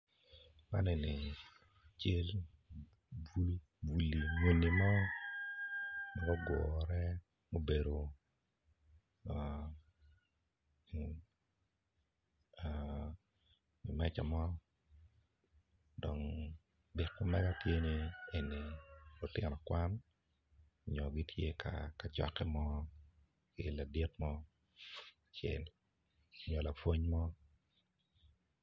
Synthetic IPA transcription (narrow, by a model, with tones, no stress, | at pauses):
ma̰˦ne˨ni˨ | t͡ʃe˦l | bu˦l | bu˨li˨ŋo˨nːi˨mɔ˦ | nɔ˨ɡɔ˦ɡɔ˨ɾɛ˦ | mo˦be˨do˨ | a˨ | mi˨mɛ˦t͡ʃa˨mɔ˦ | dɔ˨ŋ | dɪ˨kmʊ˦mɛ˦ɡa˦tje˦nie˨nːi˨lʊ˨tɪ˨nɔ˨kwa˦n | ɲɔ˨ɡi˦tʰje˦ka̰ka˨t͡ʃɔ̰˦kːɛ˦mɔ˦ | kɪla˨di˦tmɔ˦ | t͡ʃɛ̰˨l | ɲɔ˨la˨fwo˦ɲmɔ˦